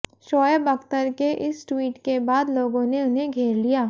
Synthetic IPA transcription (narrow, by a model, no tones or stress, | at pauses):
ʃɔːjəbɐkt̪əɾkeʔɪsʈwiːʈkebaːd̪loːɡõneʊnɦeɡʱeːɾlijaː